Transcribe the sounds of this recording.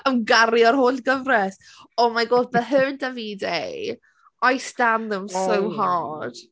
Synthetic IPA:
əmɡaɾiɔrɦoːɬɡ̥əvrɛs | ɔmaɡoːdbɛɦəndaviːdej | ajstanðəmssowɦad̥

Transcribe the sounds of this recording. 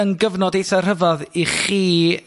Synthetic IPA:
ənɡəvnɔdejθɔr̥əvɔðiχiː

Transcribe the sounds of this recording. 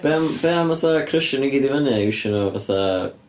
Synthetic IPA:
b̥ɛmb̥ɛamvaθakʰrəʃəniɡidivənɛiʃənɔvaθa

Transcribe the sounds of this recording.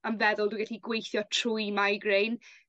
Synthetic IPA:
amvɛðʊlˠdwiɡɛɬiɡwejθjɔtʰrʊjmajɡrejn

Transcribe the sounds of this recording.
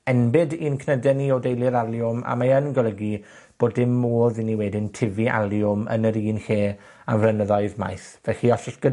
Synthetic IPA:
ɛnbɪdiːnkʰnədɛniɔdejlˠɪɾalˠjʊma̰maənɡɔlˠəɡi | b̥oːdɪmːoːðiniwɛdɪntʰɪviʔa̰lˠjʊmə̰nəɾiːnɬeː | a̰mvrənəðɔɨðma̰jθvɛɬiɔsəsɡ̥əd

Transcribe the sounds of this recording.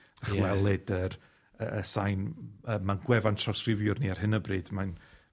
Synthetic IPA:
aχwɛlˠɨdər | əəsajnəːmanɡwɛvantʰrawskrɪvjʊrniarɦɪnəbrɨːd̥man

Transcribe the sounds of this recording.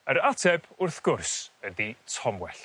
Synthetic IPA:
əɾatʰɛbʊrθɡ̥ʊrsəditʰɔmwɛɬ

